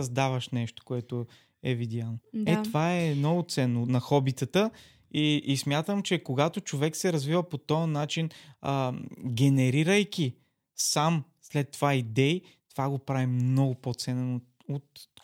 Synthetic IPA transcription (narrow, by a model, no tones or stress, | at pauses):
zd̪avəʃnɛʃt̪o̥koɛt̪o | ɛvid̪ʲjanod̪ɛt̪ovaɛnɔɡʊt̪sɛnːonɐxɔbit̪ət̪ə | iismʲjat̪əmt͡ʃɛkoɡat̪ot͡ʃovɛksɛɾɐzvivəpot̪ɔənat͡ʃinəɡʲɛnɛɾiɾəjkʲi | samslɛt̪ːovaid̪ɛi | t̪ovaɡopɾavimnɔɡʊpot̪sɛnɛn | ot̪